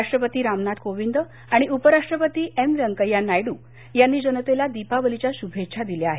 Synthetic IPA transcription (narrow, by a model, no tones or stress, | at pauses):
aʂʈɾəpət̪iːɾamnat̪koʋind̪ə | aɽ̃iupəɾaʂʈɾəpət̪iːʔemʋəŋkəjanajɽuː | janːiːd͡ʑənət̪elad̪ipaʋəlit͡ɕjaɕubʱetːt͡ɕʰad̪iljaaɦe